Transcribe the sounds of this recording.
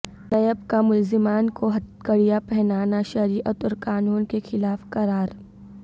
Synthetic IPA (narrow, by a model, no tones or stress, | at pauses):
nɐjəbkamʊlzɪmaːnkoɦɐt̪kɐɽijapɛɦnaːnaʃɐɾiːʔət̪ʊɾqaːnuːnkexɪlaːfqɐɾaːɾ